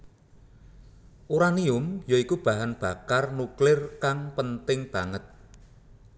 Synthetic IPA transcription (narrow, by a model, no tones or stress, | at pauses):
ʔuɾaniʊmjoikub̥a̤ɦanb̥a̤karnuklɪrkaŋpənt̪ɪŋb̥a̤ŋət̪̚